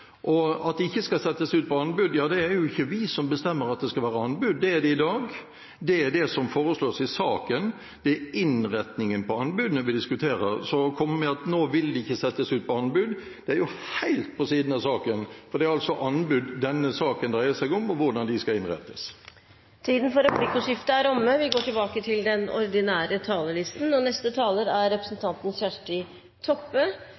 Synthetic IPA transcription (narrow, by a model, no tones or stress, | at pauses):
ʔɔɑt̪̚d̪ɛɪçːəskɑsɛt̪ːəsʉːt̪̚pʰɔɑnbʉd̪jɑːd̪ɛæɾjʊɪçːəʋɪsɔmbəst̪ɛmːəɾɑt̪̚d̪ɛskɑlʋæːɾəɑnbʉd̪ːɛæɾd̪ɛɪd̪ɑːɡ | d̪ɛæɾd̪ɛsɔmfoːɾəsloːsɪsɑːkən | d̪̥ɛæɪnɾɛt̪nɪŋənpɔɑnbʉd̪ənəʋɪd̪ɪskʉt̪ʰeːɾəɾsɔkʰɔmːəmɛɑt̪noːʋɪld̪ɪɪçːəsɛt̪ːəsʉːt̪̚pʰɔɑnbʉd̪ | d̪̥ɛæɾjʊhæɪlt̪̚pʰɔsiːd̪n̩ɑsɑːkənfɔɾd̪ɛæɾɑlsɔʔɑnbʉd̪ːɛnːəsɑːkənd̪ʁæɪəsæɡʊmɔʋʊɾɖ̪ɑnd̪ɪskɑɪnʁɛ̰t̪ːəs | t̪ʰiːd̪n̩fɔɾəpʰlɪkːʊʂɪft̪əæɾɔmːəʋɪɡoːʈɪlbɑːkət̪ʰɪld̪ɛnɔ̰ɾd̪ɪnæːɾət̪ʰɑːləɭɪst̪n̩ɔnɛst̪ət̪ʰɑːləɾæɾːɛpɾəsn̩t̪ʰɑnt̪ənsçæʂʈɪ | t̪ʰɔpːə